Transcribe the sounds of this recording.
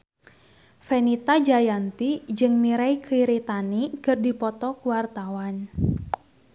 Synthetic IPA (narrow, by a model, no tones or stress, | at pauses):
fɛnit̪ad͡ʒajant̪id͡ʒɨŋmiɾajkʰiɾit̪anikɨrdipɔt̪ɔkuwart̪awan